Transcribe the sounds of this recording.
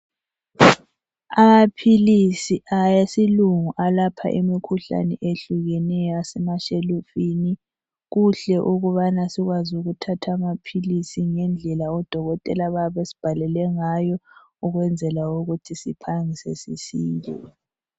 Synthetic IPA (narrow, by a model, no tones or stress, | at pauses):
amapʰilisiʔajesiluŋuʔalapʰa̰ʔimikʰuɬa̰nɛ̰ʔeɬuɣɛnɛjɔasɛmaʃelufini | ɣuɬɛʔuɣuβanasiɣwazuɣutʰatʰaːmapʰilisiŋɛnd͡ɮʱɛlaɔd̥ʱɔɣɔtʼɛlaβaβesi̥b̥ʱalɛlɛŋajɔ | uɣwɛnd͡zʱɛlauɣutʰisipʰaŋisɛ̰sisiːntʼɔ̰